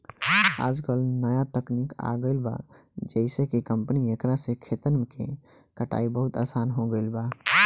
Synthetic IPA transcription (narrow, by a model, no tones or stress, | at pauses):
a̰d͡ʒkəlnəjat̪əknika̰ɡəɪlba̰ | d͡ʒəɪsẽkikəmpniekɾasẽkʰet̪ənmekḛ | kəʈa̰ibəɦut̪asanɦoɡəɪlba